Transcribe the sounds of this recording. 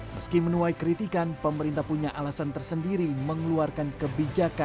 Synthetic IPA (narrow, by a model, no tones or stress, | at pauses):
məskimənulajkəɾit̪ikanpəməɾint̪ahpuɲaʔalasant̪ərsəndiɾiməŋluarkankəbid͡ʒaka